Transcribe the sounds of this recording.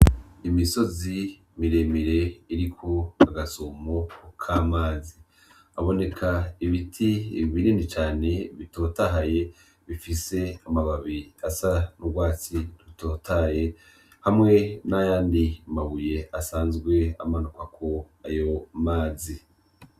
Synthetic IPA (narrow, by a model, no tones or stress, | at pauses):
imiso̞zi | miɾe̞miɾe̞iɾikʰoaɡasomokʰaːmaːzi | aβo̞ne̞kʰaiβitʰiβininit͡ʃaːne̞βito̞taɦaje̞ | βifise̞amaβaβiasanuɡwaːt͡siɾuto̞ːtaje̞ | hamŋe̞najaːndimaβuje̞ʔasaːnzɡwe̞a̰manukakʰo̞ | ajo̞maːzi